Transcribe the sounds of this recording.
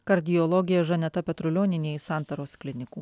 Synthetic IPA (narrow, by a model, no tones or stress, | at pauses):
kɐɾʲd̪ʲɪjɔlˠɔɡʲɪjɛʒɐnʲɛt̪ɐpʲɛt̪ɾʊlʲoːnʲɪnʲeːsɑˑnt̪ɐɾoːsklʲɪnʲɪkuː